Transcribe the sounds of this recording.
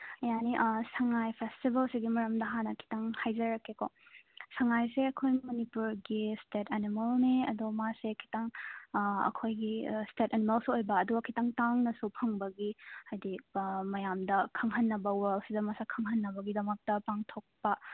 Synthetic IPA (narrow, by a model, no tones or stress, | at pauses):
ɐjaniʔsɐŋajpʰestibɐlsiɡimɐɾɐmdɐɦanɐkʰi̥tɐŋhajzɐɾɐkekosɐŋajseɐkʰojmɐnipuɾɡistetʰɐnimɐlniɐdomasekʰi̥taŋ | ɐ̰kʰojɡistetɐnimɐlsuojbɐːduɡɐkʰitaŋtaŋnɐsupʰɐŋbɐɡihajdimɐjamdɐkʰɐŋɦɐnːɐbɐwalsidɐmɐsakʰɐŋhɐnːɐbɐɡidɐmɐk̚tɐpaŋtʰok̚pɐ